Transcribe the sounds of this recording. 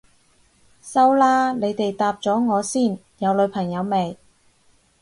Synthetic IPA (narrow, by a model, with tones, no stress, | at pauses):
sɐ˥wlaː˥ne˨˧jt̪e˨jt̪aː˨˧p̚t͡sɔː˨˥ŋɔː˨˧siː˥˩n | jɐ˨˧wlɵ˨˧ɥpʰɐ˨˩ŋjɐ˨˧wme˨˩j